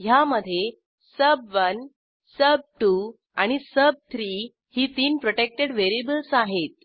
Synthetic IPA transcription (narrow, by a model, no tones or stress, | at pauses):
jaməd̪ʱːje | səbʋən | səb̚ʈu | aɽ̃isəb̚t̪ʰɾiː | hiːt̪iːnpɾoʈek̚ʈeɽʋeɾibəlsaɦet̪̚